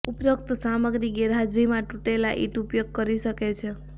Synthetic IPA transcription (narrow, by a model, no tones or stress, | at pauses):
upɾokt̪saməɡɾiɡeɾɦad͡ʒɾimãʈuʈelaʔḭʈupjoɡ̚kəɾisəket͡ʃʰe